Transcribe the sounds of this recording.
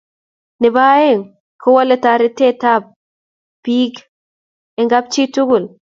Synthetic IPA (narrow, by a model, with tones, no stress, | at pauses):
nɪ˨ba˦e˦ŋ | kʰo˦wa˦lɛ˦ta˨ɾɪ˦te˦ta˦b̚ | pi˦k | ɛ˨ŋɡa˦b̚t͡ʃi˦tu˦ɡu˨l